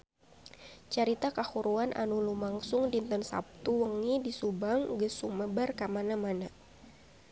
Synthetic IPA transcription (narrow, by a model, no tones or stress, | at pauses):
t͡ʃaɾit̪akahuɾuanʔa̰nulumaŋsʊŋdint̪ənsa̰p̚t̪uwəŋidisubaŋɡəsuməbərkamanamana